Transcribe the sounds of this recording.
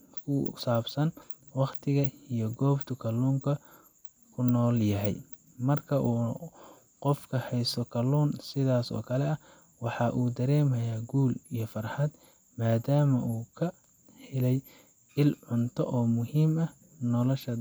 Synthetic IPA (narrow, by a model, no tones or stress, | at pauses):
kʰʊ̰saːbsɐn | wɑqt̪ʰɪɣɐijɞɡɔːbt̪ʰʊkʰɐluːŋkʰɐ | kʰʊnɔːljɐɦɛj | mɐrkʰɐʔuː | qɔfkʰɐhɛjsɔkʰɐluːnsɪðaːsɔ̰ːkʰɐlɛɐ | wɑħɑʔuːd̪ɐɾɛːmɐjaːɡuːlijɞfɐrħɑd̪ | maːd̪aːmɐʔuːkʰɐ | hɪlɛj | ɪlʕʊnt̪ʰɔʔɔːmʊɦiːmɐ | nɔlɔʃɐ